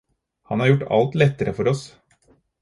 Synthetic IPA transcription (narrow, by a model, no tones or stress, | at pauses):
hɑnhɑɾjʊʈːɑ̰lt̪lɛt̪ːəɾəfɔɾɔs